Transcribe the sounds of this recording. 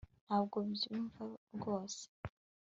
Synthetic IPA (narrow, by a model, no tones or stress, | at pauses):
aβɡoβizuːɱvabɡo̞ːse̥